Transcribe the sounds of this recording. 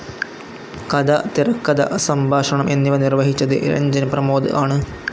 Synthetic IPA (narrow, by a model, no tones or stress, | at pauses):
kɐd̪ɐt̪irɐkːɐd̪ɐ̰ʔsɐmbʱaːʂɐɳɐmʔe̞nːiʋɐnirʋɐɦit͡ɕːɐðɨ̰ʔɾɐ̰ɲd͡ʑɐnɐprɐmoːd̪ɨ̰ʔaːɳɨ